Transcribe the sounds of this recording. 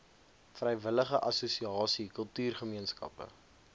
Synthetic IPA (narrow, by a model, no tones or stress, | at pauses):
frɛjvələχəʔɐsusiɑːsikəlˠtyːrχəmiənskɐ̰pə̰